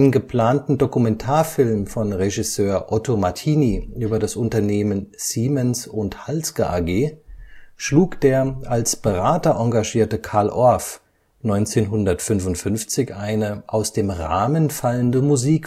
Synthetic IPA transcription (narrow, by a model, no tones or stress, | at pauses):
nənɡəpʰl̥aːntn̩dokumɛntʰaːɐfɪlmfɔnʁeʒɪsøːɐʔɔtomatʰiːniʔyːbɐdasʔʊntɐneːmənz̥iːmɛnsʊnthalsɡəʔaɡeː | ʃluːkd̥eːɐalsb̥əʁaːtɐʔɔŋɡaʒiːɐtəkʰaɐlʔɔɐf | nɔʏnt͡seːnɦʊndɐtfʏnvʊntfʏnft͡sɪçʔaɪnəʔaʊsd̥eːmʁa̰ːmənfaləndəmuziːk